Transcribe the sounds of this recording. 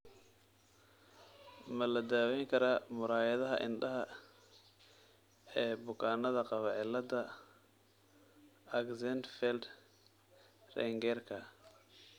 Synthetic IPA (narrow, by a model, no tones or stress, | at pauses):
mɐlɐd̪aːwɛjŋkʰɐɾaːmʊɾaːjɐðɐɦɐ̰ʔɪ̰nɖɐɦɐ | ɛːbʊkʰaːnɐðɐqɑβɑːʕɪlɐd̪ɐ | ɐɡzɛnt̪fɛld̪ | rɛ̰ŋɡɛrkʰɐ